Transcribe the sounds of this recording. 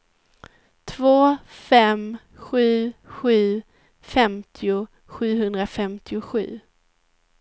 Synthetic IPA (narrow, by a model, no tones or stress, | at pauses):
t̪ʰvoːfɛm | ɧʉ̟ːɧʉ̟ː | fɛmt̪ʰɪʊ | ɧʉ̟ːɦɵnd̪ɾafɛmt̪ʰɪʊɧʉ̟̰ː